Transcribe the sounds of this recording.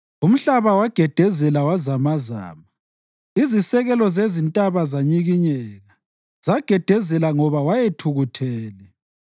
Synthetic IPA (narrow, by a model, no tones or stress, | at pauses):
um̩ɬaβawaɡ̥ʱɛd̥ʱɛzɛlawazamaza̰ːma | izisɛɣɛlɔzezintʼaβazaɲiɣiɲɛːɣa | z̥aɡ̥ʱɛd̥ʱɛzɛlaŋɔβawajetʰuɣutʰɛːlɛ